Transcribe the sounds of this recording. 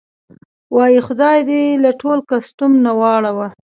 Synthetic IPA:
wɑjixʊd̪ɑjd̪elaʈolkastʊmnawɑɽawa

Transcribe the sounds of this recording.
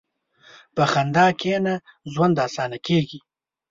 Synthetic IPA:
pəxand̪ɑːkʰenazwand̪ɑːsɑːnakeɡi

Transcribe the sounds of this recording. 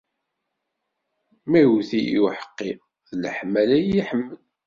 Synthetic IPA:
mæθiḭwħə̥qːi | ðləħmːælæjiħəmːəl

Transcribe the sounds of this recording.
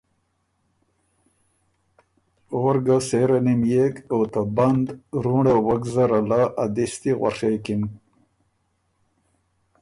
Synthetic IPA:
oɾɡaseɾanimjekot̪aband̪ɾuɽawaɡzaɾalaad̪ist̪iɣwa̰ʂejkin

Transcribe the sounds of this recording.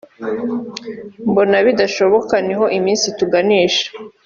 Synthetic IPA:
mbo̞naβidaʃo̞βo̞kaneɦo̞ʔimiːnsituɡaniːʃḁ

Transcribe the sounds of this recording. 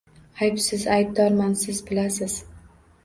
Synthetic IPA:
ajpsɪzajb̚d̪ɒɾmansɪzbɪlasɪz̥

